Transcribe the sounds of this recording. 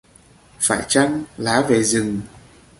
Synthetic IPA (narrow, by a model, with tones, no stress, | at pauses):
faː˧˩jt͡ɕa˧ŋlaː˨˦ve˨˩zɨ˨˩ŋ